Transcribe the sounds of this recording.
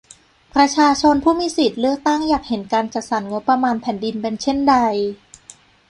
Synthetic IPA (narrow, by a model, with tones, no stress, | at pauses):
pʰɾa˧t͡ɕʰaː˧t͡ɕʰo˧npʰuː˥˩miː˧˦si˨˩t̪̚lɯ˥˩ək̚t̪a˥˩ŋjaː˨˩k̚he˩˦nkaː˧nt͡ɕa˨˩sa˩˦nŋo˦˥pːɾa˧maː˧npʰɛː˩˦ndi˧npe˧nt͡ɕʰe˥˩nda˧j